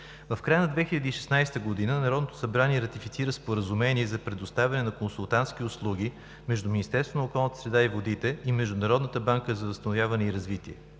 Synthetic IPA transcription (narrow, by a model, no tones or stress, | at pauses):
vɐfkɾajənɐd̪vɛxilʲəd̪iːʃɛsnajst̪əɡod̪inənɐɾɔd̪not̪o̥sɐbɾaniɛɾɐt̪ifit̪siɾəspoɾəzumɛniɛzɐpɾɛd̪ʊst̪avʲɐnɛnɐkonsulˠt̪ant̪sk̟iʊslˠuɡ̟i | mɛʒd̪uminʲist̪ɛɾst̪vonəokɔlˠnət̪ə̥sɾɛd̪aivod̪it̪ɛimɛʒd̪ʊnɐɾɔd̪nət̪əbaŋkəzɐvəst̪ɐnoʊvʲjavɐnɛiɾɐzvit̪iɛ